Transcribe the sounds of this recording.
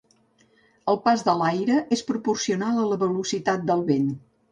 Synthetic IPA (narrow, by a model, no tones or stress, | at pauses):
əlˠpazðəlajɾəʔespɾupursiunalˠələβəlusit̪at̪̚d̪əlˠβen